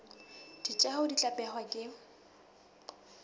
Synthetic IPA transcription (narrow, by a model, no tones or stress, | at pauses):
d̥it͡ʃʼɛhʊdit͡ɬʼapʼɛχwakʼɪ